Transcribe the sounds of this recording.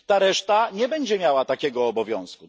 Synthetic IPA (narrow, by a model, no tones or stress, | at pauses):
t̪aɾɛʂt̪aɲɛbɛɲd͡ʑɛmʲjawat̪akʲɛɡɔːbɔvʲjɔ̃w̃sku